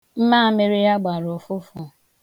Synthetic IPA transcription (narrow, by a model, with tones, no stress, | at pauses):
m̩˦maː˦˨me˦ɾi˦ja˦ɡ͡ba˨ɾʊ˨fʊ˦fʊ˦˨